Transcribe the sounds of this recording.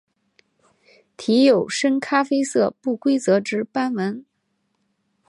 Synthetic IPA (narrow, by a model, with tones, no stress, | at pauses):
t̪ʰi˧˥jo˨˩ʊʂə˥nkʰa˥fe˥ɪsɤ˥˧pu˥˩kwe˥ɪt͡sɤ˧˥ʈ͡ʂɻ̩˧˥pa˥nwə˧˥n